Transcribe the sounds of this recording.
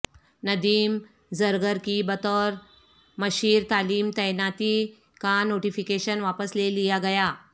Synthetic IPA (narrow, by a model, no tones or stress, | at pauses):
nəd̪iːm | d͡zəɾɡəɾkibət̪əɾ | məɕiːɾt̪aliːmt̪əjnat̪iː | kanoʈifikeɕənʋapəslelijaɡəja